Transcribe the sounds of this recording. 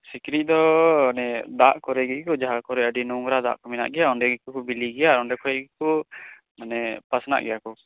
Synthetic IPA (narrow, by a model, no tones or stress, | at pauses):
sikɾiˀd̪ɔnɛd̪aʔkɔɾɛɡikɔd͡ʒaɦakɔɾɛəɖinuŋɾad̪a̰ʔkɔmɛna̰ʔɡɛjaɔɳɖɛɡikɔkɔbiliɡɛjaɾɔɳɖɛkʰɔɛɡikɔ | anɛpasna̰ʔɡɛjakɔ